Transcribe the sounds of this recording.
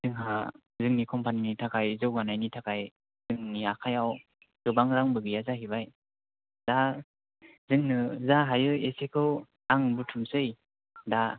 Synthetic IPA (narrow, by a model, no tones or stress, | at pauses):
zɯŋɦa | zɯŋnikʰɔmpʰaninitʰakʰajzɯwɡanajnitʰakʰaj | z̥ɯŋniakʰajaw | z̥ɯbaŋɾaŋbɯɡɯjazaɦibaj | da | zɯŋnɯzaɦajɯesekʰɯw | aŋɯbɯtʰumsɯj | da